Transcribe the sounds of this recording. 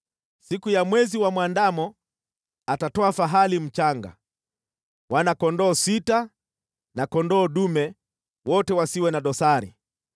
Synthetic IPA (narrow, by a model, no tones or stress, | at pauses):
sikujamwɛziwamwandamɔ | atatɔafaɦalim̩t͡ʃaŋɡa̰ | wanakɔndɔːsita | nakɔndɔːɗumɛ | wɔtɛwasiwɛnaɗɔsaɾḭ